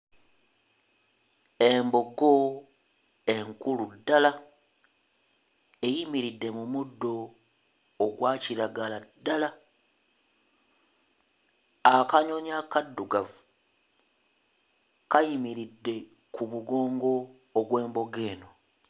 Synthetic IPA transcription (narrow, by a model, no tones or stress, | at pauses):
e̞mbo̞ɡo̞ | e̞ŋkuludːala | ejimiɾidːe̞mumudːo̞ː | ɡwaːciɾaɡaladːala | akaɲo̞ɲakadːuɡavu | kajimiɾidːe̞ | kumuɡo̞ːŋɡo̞ː | ɡwe̞ːmbo̞ɡe̞ːno̞